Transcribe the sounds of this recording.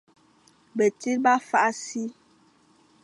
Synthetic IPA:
be˨ti˦lba˦fa˦ʔa˦si˦

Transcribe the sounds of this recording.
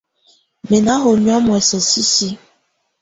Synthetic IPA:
me˨na˦ɦʊ˨ɲ˦ɔ˦mʊ˨ɛ˨sɔ˨si˦si˦

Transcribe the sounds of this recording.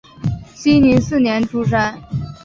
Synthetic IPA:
ɕi˥ni˧˥nsɹ̩˥˩njɛ˧˥nʈ͡ʂʰu˥ʂ̬a˥n

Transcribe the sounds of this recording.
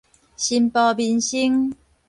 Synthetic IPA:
ɕi˧mpɔ˧bi˧nɕi˦˥ŋ

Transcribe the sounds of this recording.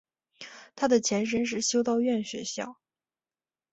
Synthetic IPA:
t̪ʰa˥d̪ə˨t͡ɕʰjɛ˧˥nʂ̬ə˥nʂ̬ɻ̩˥˩ɕjo˥ʊt̪ɑ˥˧ʊɥɛ˥˩nɕɥɛ˧˥ɕjɑ̰˥˩ʊ

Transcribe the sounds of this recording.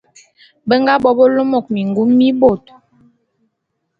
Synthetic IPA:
bə˦ŋɡa˦bɔ˨bo˦lo˦mo˦˨k̚mi˨ŋɡu˨˦mːi˦bo˦˨t̚

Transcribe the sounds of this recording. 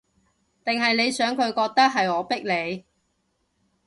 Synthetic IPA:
t̪ɪ˨ŋɦɐ˨jne˨˧jsœː˨˥ŋkʰɵ˨˧ɥkɔː˧k̚t̪ɐ˥k̚ɦɐ˨jɔː˨˧˥pɪ˥k̚le˨˧j

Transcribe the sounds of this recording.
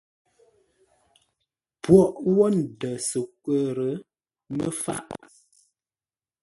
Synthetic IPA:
pwɔ˨ʔwɔ˦n̩˨də˨sə˨k̚wə˦˨ɾə˨˦ | mə˦fa̰˦ʔ

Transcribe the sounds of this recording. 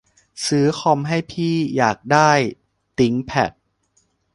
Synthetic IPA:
sɯː˩˦xʰɔ˧mɦa˥˩jpʰiː˥˩jaː˨˩k̚daː˥˩j | t̪i˩˦ŋpʰɛ˨˩t̪̚

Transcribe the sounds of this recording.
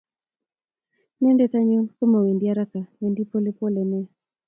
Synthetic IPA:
nɛ˦ndɛ˦ta˦ɲɔ˦nku˦ma˨wɛ˨ndi˦a˦ɾa˦ka˨wɛ˨ndi˦pɔ˦lɛ˦pɔ˦lɛ˨nɛ˦

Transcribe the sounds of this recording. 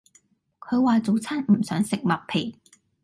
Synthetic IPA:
kʰɵ˨˧ɥwaː˨˧t͡so˨˧wt͡sʰaː˥nm̩˨˩sœː˨˥ŋsɪ˨k̚mɐ˨˩p̚pʰe˨˩

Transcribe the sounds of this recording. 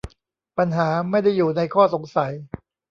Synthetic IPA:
pa˧nɦaː˩˦ma˥˩jda˥˩jːuː˨˩na˧jkʰɔː˥˩so˩˦ŋsa˩˦j

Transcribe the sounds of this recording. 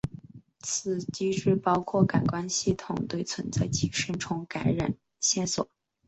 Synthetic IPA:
t͡sʰɹ̩˨˩t͡ɕi˥ʈ͡ʂɻ̩˥˩pɑ˥ʊkʰwɔ˥˩ka˨˩nkwa˥nɕi˥˩t̪ʰʊ˨˩ŋt̪we˥˩ɪt͡sʰwə̰˧˥nt͡sa˥˧˩ɪt͡ɕʰi˨˩ʂə˥ŋʈ͡ʂʰʊ˧˥ŋka˧˥ɪɻa̰˨˩˦n | ɕjɛ˥nswɔ̰˨˩˦

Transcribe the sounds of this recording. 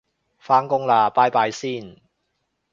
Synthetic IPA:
faː˧˥nkʊ˥ŋlaː˨˩paː˧˥jpaː˧jsiː˥˩n

